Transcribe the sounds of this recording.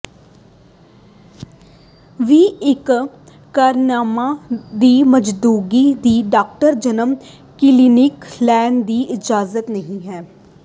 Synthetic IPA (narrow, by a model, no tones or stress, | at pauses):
ʋiːɪkː | aːɾnaːmãːd̪iːməd͡ʒd̪uːɡiːd̪iːɖaːk̚ʈəɾd͡ʒənəm | kɪliːnɪklɛːnd̪iːʔɪd͡ʒaːzət̪nəɦĩːɦɛː